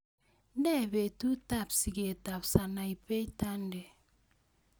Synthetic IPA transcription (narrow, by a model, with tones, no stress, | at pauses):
n˦dɛ˦˨βe˨tu˦ta˦˨psi˨ɡe˨ta˨psa˨na˨i˨pe˦ta˦nde˨